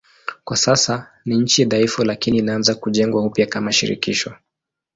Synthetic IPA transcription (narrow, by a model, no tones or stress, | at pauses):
kwasasa | niɲ̩t͡ʃijaðaifulakiniːnaanzakuʄɛŋɡwaupjakamaʃḭɾḭkiʃɔ